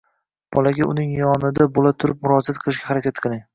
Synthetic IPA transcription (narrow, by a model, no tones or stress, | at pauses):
b̥ɒlaɡʲaʊnɪŋjɒnɪd̪abolat̪ʰʊɾɪp̚mʊɾɒzat̪̚qʰɨlˠɪʃɡʲahaɾakʲat̪̚qʰɨlˠɪŋ